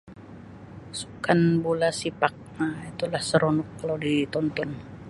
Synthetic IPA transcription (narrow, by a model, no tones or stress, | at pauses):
su̥kanbolasipak̚mait̪ulahsəɾɔnɔkːalodit̪ɔnt̪ɔn